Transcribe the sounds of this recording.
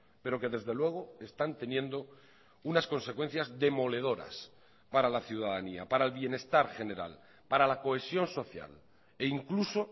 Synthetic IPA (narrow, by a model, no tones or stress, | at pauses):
pe̞ɾo̞ke̞ðe̞zðe̞lwe̞ɣ̞o̞e̞st̪ant̪e̞njẽ̞nd̪o̞ | unasko̞nse̞kwe̞n̟θjazðe̞mo̞le̞ð̞o̞ɾa̰s | paɾalaθjuðaðania̰paɾaelβje̞ne̞st̪aɾxe̞ne̞ɾa̰l | paɾalako̞e̞sjo̞nso̞θja̰l | e̞iŋkluso̞